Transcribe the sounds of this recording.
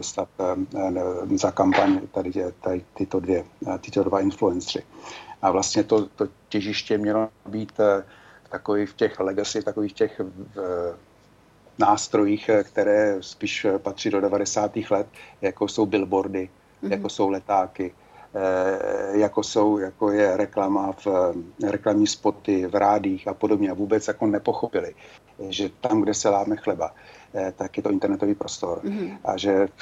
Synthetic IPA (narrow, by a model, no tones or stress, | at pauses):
dost̪at̪ | zakampaɲt̪adɪt̪aɪt̪ɪt̪odvjɛt̪ɪt̪odvaɪnfluɛnsrɪʔavlast̪ɲɛt̪o̞t̪ocɛʒɪʃcɛmɲɛlo̞abiːt̪ | ft̪akovifcɛxlɛɡasɪft̪akoviːxcɛx | naːst̪ɾo̞jiːxkt̪ɛɾɛːspiːʃpat̪r̝̥iːdo̞dɛvadɛsaːt̪iːxlɛt̪jakoso̞wbɪlbo̞ɾdɪ | jakkoso̞wlɛt̪aːkɪ | jako̞so̞wjakojɛɾɛklamafɾɛklamɲiːspo̞t̪ɪvɾʔaːdiːxapo̞dobɲɛavuːbɛt͡sjako̞nɛpo̞xopɪlɪ | ʒɛt̪amɡdɛsɛlaːmɛxlɛbat̪akjɛt̪oʔɪnt̪ɛɾnɛt̪oviːpɾo̞st̪o̞ɾʔa̰ʒɛ